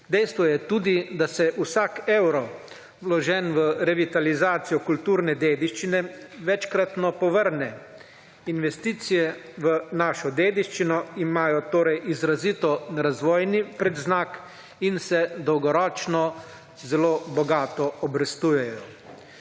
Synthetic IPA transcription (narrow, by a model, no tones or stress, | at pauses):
d̪ɛjst̪ʋɔjɛt̪uːd̪id̪asɛʔusaːkɛwɾɔ | wlɔʒɛnʋəɾɛʋit̪alizaːt̪sijɔkult̪uːɾnɛd̪eːd̪iʃt͡ʃinɛʋɛt͡ʃkɾat̪nɔpɔʋəɾnɛ | inʋɛst̪iːt̪sijɛʋənaːʃɔd̪eːd̪iʃt͡ʃinɔimaːjɔt̪oːɾɛjʔizɾazit̪ɔɾazʋɔːjnipɾɛd̪znaːk | insɛd̪ɔwɡɔɾɔːt͡ʃnɔ | zɛloːbɔɡaːt̪ɔɔbɾɛst̪uːjɛjɔ